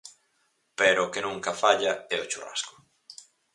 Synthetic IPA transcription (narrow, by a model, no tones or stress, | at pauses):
peɾoʊːkenũŋkɐfaʎɐɛot͡ʃura̰skʊ̥